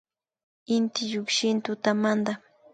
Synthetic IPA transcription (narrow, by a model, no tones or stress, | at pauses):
ɪnt̪ɪʎʊkʃɪnt̪ʊt̪amand̪a